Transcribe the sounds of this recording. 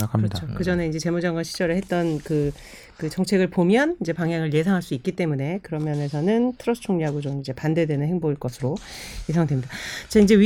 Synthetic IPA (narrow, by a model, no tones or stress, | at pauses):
ʌt͡ɕʰokɯd͡ʑʌne̞ind͡ʑe̞t͡ɕe̞mud͡ʑaŋɡaɕʰi̥d͡ʑ͈ʌɾɯɭhet̚t͈ʌnkɯ | kɯt͡ɕʌŋt͡ɕʰe̞ɡɯɭpomjʌnind͡ʑe̞paŋɦjaŋɯɭje̞s̬ʰaŋɦaɭs͈uik͈it͈e̞mune̞kɯɾʌmjʌne̞sʰʌnɯntʰɯɾʌsʰɯ̥t͡ɕʰoŋɲiɦaɡod͡ʑomind͡ʑe̞pande̞dwe̞nɯnɦeŋboiɭk͈ʌsʰɯɾojesʰaŋdwe̞mɲidat͡ɕaind͡ʑeɥi